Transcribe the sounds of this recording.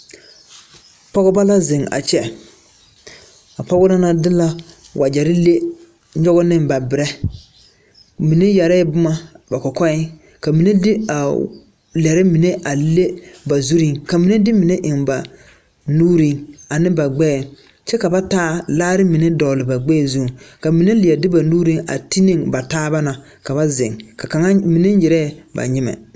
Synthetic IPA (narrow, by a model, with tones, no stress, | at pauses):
pɔ˦ɣɔ˦ba˦la˦zɪ˨ŋa̰˨t͡ʃɛ˦ | a˨pɔ˦ɡɔ˦la˦na˦dɪ˦la˦ | wʔa˨d͡ʒɛ˨ɾɪ˦le˦ | ɲɔ˦ɣɔ˦nɪ˦mba˨bɪ˨ɾɛ˦ | mi˨ne˦ja˨ɾɛ˦bʊ˦ma˦ba˨kɔ˨kɔ˦ɪ˦ | ka˨mi˨ne˦dɪ˦a˨ | lɛ˨ɾɪ˦mi˨ne˦ʔa˨le˦ba˨zu˦ɾi˦ŋka˨mi˨˦ne˦dɪ˦mɪ˨ne˦ʔɪ˨ŋba˨ | nuː˦ɾi˦ŋa˨nɪ̃˦ba˨ɡ͡bɛː˦˨ | t͡ʃɛ˦ka˨ba˦taː˦laː˦ɾɪ˦mi˨ne˦dɔ˨lɪ˨ba˨ɡ͡bɛː˦˨zu˦˨ka˨mi˨ne˦lɪ˨ɛ˨dɪ˦ba˨nuː˦ɾi˦ŋa̰˨ti˦nɪ˦ŋba˨taː˦ba˦na˨ | ka˨βa˦zɪ̰˨ŋka˨ka˨ŋa˦mi˨ne˦n˦jɪ˨ɾɛ˦˨ba̰˨ɲɪ˦mɛ̰˨